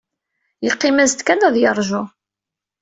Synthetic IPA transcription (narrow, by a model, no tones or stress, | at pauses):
jəqːɪmæzt̪kænæðjəɾˤʒʊ